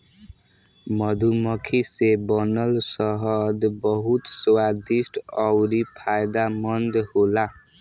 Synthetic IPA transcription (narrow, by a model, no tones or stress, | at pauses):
mʌd̪ʱumʌkʰisebʌnʌlsʌɦʌd̪bʌɦut̪swad̪isʈʌwɾipʰajd̪amʌnd̪hola